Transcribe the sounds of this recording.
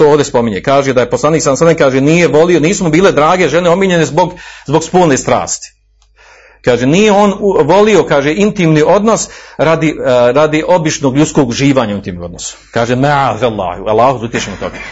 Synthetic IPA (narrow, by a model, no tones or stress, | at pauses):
t̪ooːʋd̪espo̞miɲekaːʒed̪ajeposlˠaːniːksamsanekaːʒeniːjeʋo̞lioniːsmobiːle̞d̪ɾaːɡe̞ʒe̞ne̞o̞miɲe̞nizboɡzbo̞ɡspoːlneːst̪ɾa̰ːst̪i̥ | kaːʒeniːjeo̞ːnʋo̞lio̞kaːʒeʔint̪iːmniʔo̞d̪nosɾad̪iɾad̪iʔo̞bit͡ʃnoːɡʎut̪skoɡuʒiːʋaːɲaint̪iːmnomo̞d̪nosu̥kaːʒemɛʕaðalˠːa̰ːhua̰lːaːhud̪ut̪jet͡ʃemut̪o̰ɡa